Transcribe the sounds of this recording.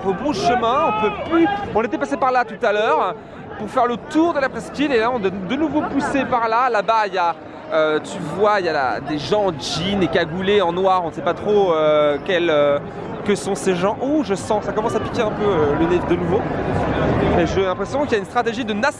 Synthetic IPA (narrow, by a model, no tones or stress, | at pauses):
opũʃəmɛ̃ɔ̃pøplyɔ̃net̪ɛpasepaʁlat̪ut̪alœʁ | puʁfɛʁlət̪uʁd̪əlapχɛskʲilelaɔ̃d̪ɛd̪ənuvopusepaʁlalabaija | øt̪yvwaija̰d̪eʒɑ̃ʒinekaɡuleɑ̃nwaʁɔ̃nsɛpat̪χoøkʲɛlø | kəsɔ̃seʒɑ̃ʔuʒəsɑ̃sakɔmɑ̃sapi̥kʲeɛ̃pøølənɛfd̪ənuvo | eʒelɛ̃pχesjɔ̃kiljaynst̪χat̪eʒid̪ənas